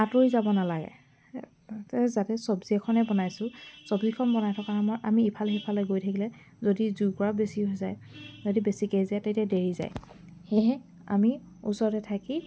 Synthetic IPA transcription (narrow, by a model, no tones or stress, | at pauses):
atoɹizabɔnalaɡɛ̰ | ɛzatɛsɔbziɛkʰɔnɛbɔnajsʊ̃sɔbzikʰɔnbɔnajtʰɔkanamɔjamiːpʰalɛipʰalɛɡojtʰakilɛ | zodizukɔɹabesiɦojzajzodibesikejziatetadeɹiza̰j | xeɦɛ | a̰mi | usɔɹɔtɛtʰaki